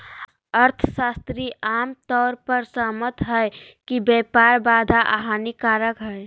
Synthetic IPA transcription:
əɾt̪ʰsast̪ɾiʔaːmt̪ɔːɾpəɾsəɦmət̪ɦɛe | kibɛpaɾbaːd̪ʱaʔa̰ɦanikaːɾəkɦɛe

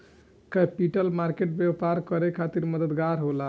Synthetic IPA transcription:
kəpiʈəlmaɾkeʈ̚bjewpaɾkəɾekʰat̪iɾməd̪əd̪ɡaɾɦola

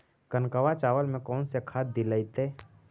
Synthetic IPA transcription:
kənkəʋat͡ʃaːʋəlmẽkɔːnsekʰaːt̪̚d̪iləit̪eː

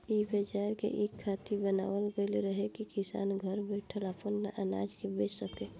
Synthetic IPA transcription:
ibəd͡ʒaɾkḛʔekʰːat̪ibəna̰wəlɡeleɾəɦekikisa̰ːnɡʱəɾbɛʈʰəlapənːaʔəna̰d͡ʒkebet͡ʃsəke

